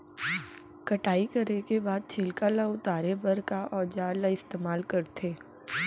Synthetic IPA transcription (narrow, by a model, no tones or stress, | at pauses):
kɐʈaːikɐɾekebaːd̪̚t͡ʃʰeːlkalaʊt̪aːɾebəɾkaʔɔːd͡ʒaːlaɪst̪eːmaːlkɐɾt̪ʰeː